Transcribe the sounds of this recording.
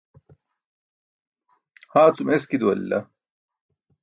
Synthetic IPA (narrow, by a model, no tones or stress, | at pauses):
haːt͡sumeskid̪uɐ̰lːɐ̰